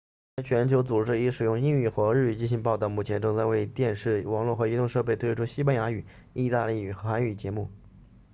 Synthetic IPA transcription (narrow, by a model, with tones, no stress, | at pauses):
a˥t͡ɕʰɥɛ˧˥nt͡ɕʰjo˧˥ʊt͡su˨˩ʈ͡ʂɻ̩˥i˧˥ʂɻ̩˨˩jʊ˥˧ŋi˥˧ŋy˥˩xɤ˧˥ɻ̩˥˩˧t͡ɕi˥˩nɕi˧˥ŋpɑ˥˧ʊt̪ɑ˥˩ʊmu˥˩t͡ɕʰjɛ˧˥nʈ͡ʂɤ˥˧ŋt͡sa˥˧we˥˧ɪt̪jɛ˥˧nʂɻ̩˥˩wɑ˧˥ŋlwɔ˥˩xɤ˧˥i˧˥t̪ʊ˥˧ŋʂɤ˥˧pe˥˩ɪt̪ʰwe˥˧ɪʈ͡ʂʰu˥ɕi˥pa˥nja˧˥y˨˩ | i˥˧t̪a˥˧li˥˩y˨˩xxa˧˥ny˨˩t͡ɕjɛ˧˥mu˥˩